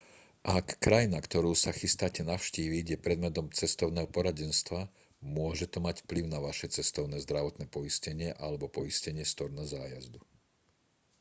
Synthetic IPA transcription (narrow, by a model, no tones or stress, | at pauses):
ʔakːɾajinakt̪ɔɾuːsaxist̪aːcɛnaʊʃciːʋiɟjɛpɾɛd̪mɛt̪ɔmt͡sɛst̪ɔʊnɛːɦɔpɔɾaɟɛnst̪ʋa | mʊɔʒɛt̪ɔmacfpliʊnaʋaʃɛt͡sɛst̪ɔʊnɛːzd̪ɾaʋɔt̪nɛːpɔiscɛɲɪɛʔalɛbɔpɔiscɛɲɪɛst̪ɔɾnɛzaːjazd̪u